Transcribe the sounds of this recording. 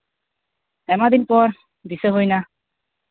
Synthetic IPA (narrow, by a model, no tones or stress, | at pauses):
ɛmad̪inpɔɾ | d̪iseɦojna